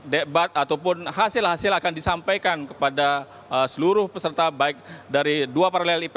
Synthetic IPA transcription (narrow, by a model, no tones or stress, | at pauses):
debat̪̚at̪awpʊnɦasɪlhasɪlakandisampajkankə̥pada | əsəluɾʊhpəsərt̪abaɪk̚daɾiduapaɾalɛlip